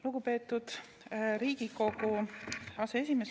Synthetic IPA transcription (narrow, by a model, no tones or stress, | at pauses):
luɡ̥upe̞ːt̪ːˑud̪̥ | ɾiːɡ̥iko̞kuɑsee̞sʲimes